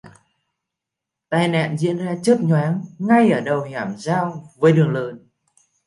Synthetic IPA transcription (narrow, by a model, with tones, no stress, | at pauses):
t̪aː˧˩jna̰ː˧˨nzḭ˧˥ənzaː˧t͡ɕəː˦˥t̚ɲwaː˨˦ŋːa˧jʔəː˧˩ɗə˨˩wɲaː˧˩mzaː˧wvəː˨˦jɗɨ˨˩əŋləː˨˩n